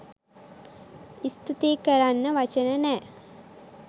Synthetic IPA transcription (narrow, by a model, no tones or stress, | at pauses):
ist̪ʰit̪iːkɐɾanːɐʋɐt͡ʃɐnɐnɛ